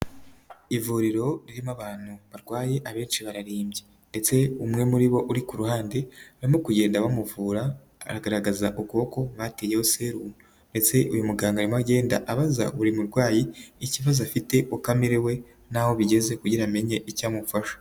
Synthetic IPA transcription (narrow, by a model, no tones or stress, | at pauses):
ivuɾiɾo̞ɾiɾimaβaːn̥huβaɾɡwaːje̞ʔaβe̞ːnʃiβaɾaɾiːmbje | ndet͡se̞umŋe̞muɾiβo̞ʔuɾikuɾuhaːnde̞aɾimo̞kuje̞ːndaβamuvuːɾa̰ː | ɾaɡaɾaɡazaʔubɡuoko̞βatejehose̞ɾuːnu | nde̞t͡se̞ʔujumuɡaːŋɡaɾimaɡe̞ːnda̰ʔaβaza̰βuɾimuɾɡwaːjiːciβazoafite̞ʔukamiɾewe̞ | naho̞βiɟe̞ze̞kuɟiɾame̞ɲe̞ʔicaːmufaʃo̥